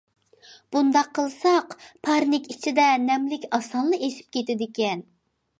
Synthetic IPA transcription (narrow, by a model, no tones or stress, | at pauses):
b̥und̪ɑqʰːəlˠsɑqpʰɑɾnɪkʲit͡ʃʰid̪ɛnɛmlɪkʲɑsɑnlˠɨeʃi̥p̚kʲet̪ɪd̪ɪkʲɛn